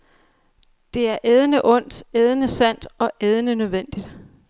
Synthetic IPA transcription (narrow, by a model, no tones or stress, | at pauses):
d̥e̝æɐʔeð̞ˠnəʔɔ̽n̰d̥eð̞ˠnəsæn̰d̥ɒ̽ʔeð̞ˠnənøðˠʋen̰d̥id̥